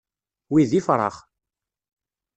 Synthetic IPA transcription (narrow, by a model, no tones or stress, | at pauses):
wiðifɾˤɑ̰χ